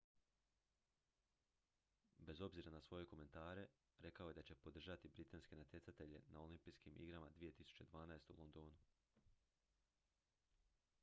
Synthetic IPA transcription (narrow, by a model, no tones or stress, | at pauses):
be̞zo̞bziɾanasʋo̞je̞ko̞me̞nt̪aːɾe̞ | ɾe̞kao̞je̞d̪at͡ɕe̞po̞d̪r̩ʒat̪ibɾit̪anske̞nat̪ʲje̞tsat̪e̞ʎe̞̰naolimpijskimʔḭɡɾamad̪ʋije̞t̪isu̥t͡ɕe̞d̪ʋaːnaest̪eṵlˠo̞nd̪o̞ːnu